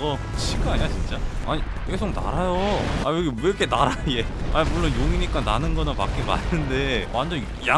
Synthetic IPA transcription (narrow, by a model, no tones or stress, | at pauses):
ɡʌ | t͡ɕʰiɡɯaɲiat͡ɕint͡ɕ͈aa̰ɲi | ke̞s̬ʰoŋna̰ɾajoajoɡiɾkʰenaɾaje̞aimuɭːonjoŋiɲik͈ananɯnɡʌnɯnpak͈ima̰nɯnde̞wʔand͡ʑʌn | ja